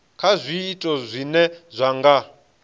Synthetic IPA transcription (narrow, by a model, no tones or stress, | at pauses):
kʰazʷiːtʼɔzʷinɛzʷaŋɡa